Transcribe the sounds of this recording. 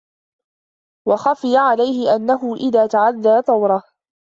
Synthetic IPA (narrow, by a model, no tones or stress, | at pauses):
wɑxafɪjaʕalajhɪʔanːaɦʊʔɪðaːt̪aʕaðːaːt̪ˤɑwɾˤɑh